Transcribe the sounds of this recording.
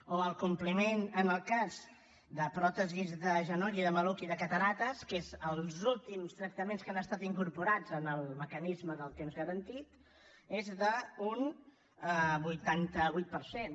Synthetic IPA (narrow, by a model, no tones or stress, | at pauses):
oəlˠkumplimenənəlˠkaz | d̪əpɾɔt̪əzizðəʒənɔɾiðəməlukiðəkət̪əɾat̪əskezəlˠzulˠt̪imst̪ɾək̚t̪əmenskanəst̪at̪iŋkuɾpuɾad͡zənəlˠməkənizməðəlˠt̪emzɣəɾənt̪it̪ | ezðəun | əβujt̪ant̪əβujt̪̚pəɾsen